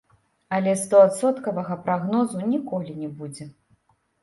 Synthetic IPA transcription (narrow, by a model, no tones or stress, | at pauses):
ɐlʲɛst̪ɔat̪sɔt̪kɐvɐɣɐpɾaɣnɔzunʲikɔlʲinʲɛbud͡zʲɛ